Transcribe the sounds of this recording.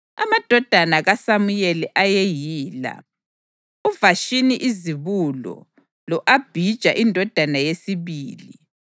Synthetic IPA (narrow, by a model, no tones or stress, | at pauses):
a̰mad̥ʱɔd̥ʱanaɣasamujɛlɛʔajejiːla̰ | uvaʃiniʔiziβulɔ̰ | lɔʔab̥ʱid̥ʒ̥ʱaʔindʱɔd̥ʱanajesiβiːli